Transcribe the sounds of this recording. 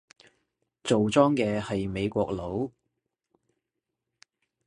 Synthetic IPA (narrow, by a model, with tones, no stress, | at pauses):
t͡so˨wt͡sɔː˥ŋkɛː˧hɐ˨jme˨˧jkʷɔ̰ː˧k̚lo˨˥w